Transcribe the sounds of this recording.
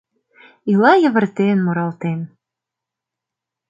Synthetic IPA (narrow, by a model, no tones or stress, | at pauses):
ilɑjə̆βə̆rt̪enmoɾɑlt̪en